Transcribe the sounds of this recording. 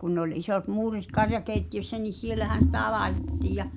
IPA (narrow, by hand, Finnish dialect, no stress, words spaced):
kun nĕ olʲ isot muːrit kɑrjɑkeˑitːiøsːæ ni sielæhæˑn̞ sitæ lɑetetːiːj̆ jɑ